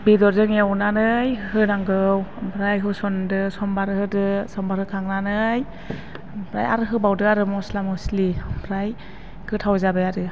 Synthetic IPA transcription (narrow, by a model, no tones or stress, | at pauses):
bidɔɾzɯŋawnanɯjhɯnaŋɡɯwbʰɾajɦɯsɔndɯsɔmbaɾɯhɯdɯsɔmbaɾhɯkʰaŋnanɯj | bʰɾa̰ja̰ɾɯɦɯbawdɯaɾɯmɔslamɯslibʰɾaj | kʰɯtʰawzabajaɾɯ